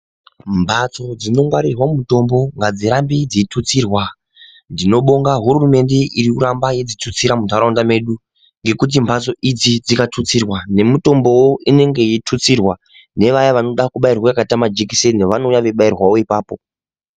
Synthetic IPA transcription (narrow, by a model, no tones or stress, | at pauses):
mbʱat͡so̞d͡zino̞ŋɡwaɾirwamuto̞mbo̞ŋɡad͡ziɾambid͡zitʰut͡siːrwa | ndino̞ɓo̞ŋɡaɦururume̞nde̞ʔiɾiuɾambaje̞d͡zitʰut͡siɾamutaɾondame̞ɗu | ŋɡe̞kut̬imbʱat͡so̞ʔid͡zid͡zikatʰut͡sirwane̞muto̞mbo̞woine̞ŋɡe̞jitʰut͡sirwa | ne̞ʋajaʋano̞ɗakuɓairwaakatamad͡ʒik̬iseneʋanojaʋeɓairwawo̞ipaːpo̞